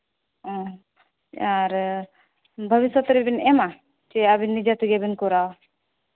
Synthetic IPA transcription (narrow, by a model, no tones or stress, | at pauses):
ɔ̃ | aɾ | bʱəbisɔt̪ɾebinɛma | t͡ʃeabinːid͡ʒat̪ʰuɡebinkɔɾaw